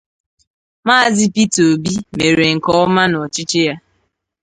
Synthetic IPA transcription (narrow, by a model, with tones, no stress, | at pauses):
maː˦˨zɪ˦pi˦to˨bi˦me˨ɾe˨ŋ̩˨kɔ˦ɔ˦ma˦nɔ˨t͡ʃɪ˦t͡ʃe˦ja˦